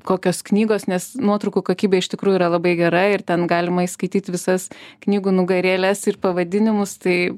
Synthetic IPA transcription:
koːkʲoːsknʲiːɡoːsnʲɛsnuɔt̪ɾɐʊkuːkoːkʲiːbʲeːɪʃt̪ʲɪkɾuːjuiːɾɐlˠɐbɐɪɡʲɛɾɐɪrt̪ʲɛnɡɑːlʲɪmɐiskɐɪt̪ʲiːt̪ʲʋʲɪsɐsknʲiːɡuːnʊɡɐɾʲeːlʲɛsɪrpɐʋɐd̪ʲɪnʲɪmʊst̪ɐɪ

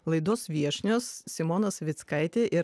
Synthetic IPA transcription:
lˠɐɪd̪oːsʋʲiɛʃʲnʲoːssʲɪmoːnɐsʋʲɪt̪skɐɪt̪ʲeːʔɪɾ

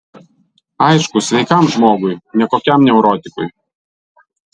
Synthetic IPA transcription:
ɑɪʃkʊsʲʋʲɛɪkɐˑmʒmoːɡʊjnʲɛkoːkʲɛˑmnʲɛʊɾɔːt̪ʲɪkʊ̰j

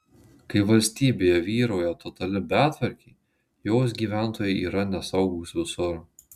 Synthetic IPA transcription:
kɐɪʋɐlʲsʲt̪ʲiːbʲeːjɛʋʲiːɾoːjɛt̪ɔt̪ɐlʲɪbʲæːt̪ʲʋʲɐɾʲkʲɛɪ | joːs̬ɡʲiːʋʲæˑnˑt̪oːjɛɪʔiːɾɐnʲɛsɐʊɡuːsʋʲɪsʊɾ

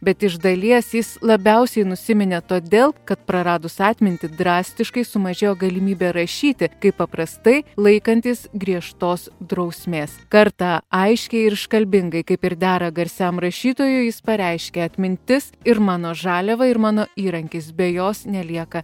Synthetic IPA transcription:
bʲɛt̪ɪʒd̪ɐlʲiɛsjɪslˠɐbʲɛʊsʲɛɪnʊsʲɪmʲɪnʲɛt̪oːd̪ʲeːlˠkɐt̪pɾɐɾɑːd̪ʊsɑːt̪ʲmʲɪnʲt̪ʲɪd̪ɾɑːsʲt̪ʲɪʃkɐɪsʊmɐʒʲeːjoːɡɐlʲɪmʲiːbʲeːɾɐʃʲiːt̪ʲɪkɐɪpːɐpɾɐst̪ɐɪlˠɐɪkɐnʲt̪ʲiːsɡɾʲiɛʃt̪oːsd̪ɾɐʊsʲmʲeːskɐɾt̪ɑɐɪʃʲkʲɛɪɾʃkɐlʲbʲɪŋɡɐɪkɐɪpɪɾd̪ʲæːɾɐɡɐɾʲsʲæmɾɐʃʲiːt̪oːjʊjɪspɐɾʲɛɪʃʲkʲeɐt̪ʲmʲɪnʲt̪ʲɪsɪɾmɑːnoːʒɑːlʲɛʋɐɪɾmɑːnoːiːɾɐŋʲkʲɪsbʲɛjoːsnʲɛlʲiɛkɐ

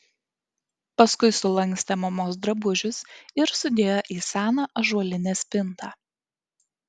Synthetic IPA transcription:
pɐskʊɪsʊlˠɐŋʲksʲt̪ʲɛmɐmoːs̬d̪ɾɐbʊʒʲʊsɪɾsʊd̪ʲeːjoʔiːsʲæːnɑʔɐʒuɔlʲɪnʲeːsʲpʲɪnt̪ɑː

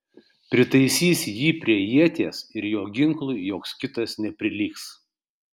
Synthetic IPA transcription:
pʲɾʲɪt̪ɐɪsʲiːsʲjiːpʲɾʲiɛjiɛt̪ʲeːsɪɾjoːɡʲɪŋklˠʊɪjoːkskʲɪt̪ɐsnʲɛpʲɾʲɪlʲiːks

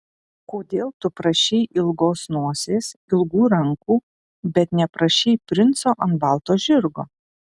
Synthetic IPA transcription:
koːd̪ʲeːlˠt̪ʊpɾɐʃʲɛɪʔɪlˠɡoːsnuɔsʲeːsɪlˠɡuːɾɐŋkuː | bʲɛt̪nʲɛpɾɐʃʲɛɪpʲɾʲɪnt̪soːʔɐntbɑˑlˠt̪oːʒʲɪɾɡoː

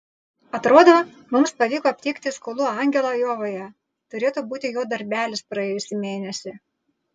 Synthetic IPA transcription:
ɐt̪ɾoːd̪ɐʋɐ | mʊmspɐʋʲiːkoːɐpʲt̪ʲiːkt̪ʲɪskoːlˠuɐˑŋʲɡʲɛlˠɐjoːʋoːjɛ | t̪ʊɾʲeːt̪uːbuːt̪ʲɪjoːd̪ɐɾʲbʲæːlʲɪspɾɐjeːjʊsʲɪmʲeːnʲɛsʲɪ

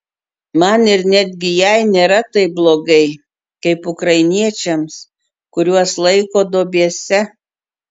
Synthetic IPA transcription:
mɐnɪɾnʲæd̪ʲɡʲɪjɛɪnʲeːɾɐt̪ɐɪblˠoːɡɐɪ | kɐɪpʊkɾɐɪnʲiɛt͡ʃʲɛms | kʊɾʲuɔslˠɐɪkoːd̪oːbʲiɛsʲɛ

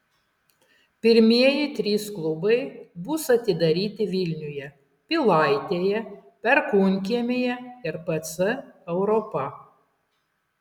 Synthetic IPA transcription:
pʲɪɾʲmʲiɛjɪt̪ʲɾʲiːsklˠʊbɐɪbʊsɐt̪ʲɪd̪ɐɾʲiːt̪ʲɪʋʲɪlʲnʲʊjɛ | pʲɪlˠɑɪt̪ʲeːjɛpʲɛɾkunʲk̬ʲiɛmʲejɛɪɾpɐt̪sʲɨɛʊɾɔpɐ

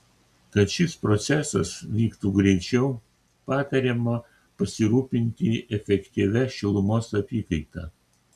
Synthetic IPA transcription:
kɐt̪ʃʲɪspɾɔt̪sʲæsɐsʋʲiːkt̪uːɡɾʲɛɪt͡ʃʲɛʊ | pɑːt̪ɐɾʲeːmɐ | pɐsʲɪɾuːpʲɪnʲt̪ʲɪʔɛfʲɛkʲt̪ʲiʋʲɛʃʲɪlˠʊmoːsɐpʲiːkɐɪt̪ɑː

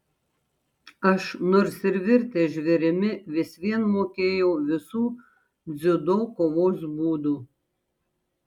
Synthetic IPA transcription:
ɐʃnoːɾsɪɾʋʲɪɾʲt̪ʲeːʒʲʋʲɛɾʲɪmʲɪʋʲɪsʲʋʲiɛnmoːkʲeːjɛʊʋʲɪsuː | d̪zʲʊd̪oːkoːʋoːsbuːd̪uː

